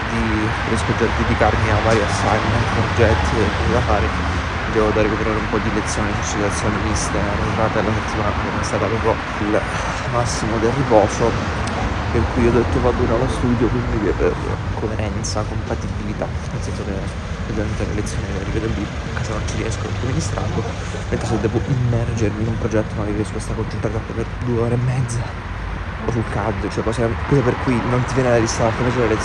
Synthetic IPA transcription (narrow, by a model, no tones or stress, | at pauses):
d̪i | ɾjɛskod͡ʒed̪ed̪ikarmiavːaːɾjiasːajment̪pɾd͡ʒɛt̪ːekːomed̪afaːɾe | od̪ɛːvod̪arːikopeɾaːɾeumpɔd̪ilet̪sːjoːnieŋkonsid̪eɾat̪sjoːnimist̪eent̪ɾaːt̪aelaset̪ːimaːnamanɛmajst̪aːt̪apɾɔpɾjo | il | masːimod̪elripɔːso | perkujiod̪et̪ːovad̪oinalost̪uːd̪jokunk̪eɡ̪̰ḛkoeɾʔɛnt̪sakompat̪ibilit̪a | nelsɛnsoke | pːezɛnt̪elḛlet̪sːjoːnelrivjɛːd̪olːi | akːaːzanont͡ʃiɾiɛ̰skoo̰t̪ːominist̪ɾa̰nd̪o | ment̪ɾesed̪ːɛːvoʔimːɛrd͡ʒerminumpɾod͡ʒɛt̪ːonnaɾirispɔst̪akont͡ʃunt̪ɾat̪ak̪ːeperd̪uːeoːɾeːmːɛd̪zːa | osulkad̪ːot͡ʃoɛkɔːsekilaperkujnont̪ivjɛnelalist̪ant̪emesuɾeelet̪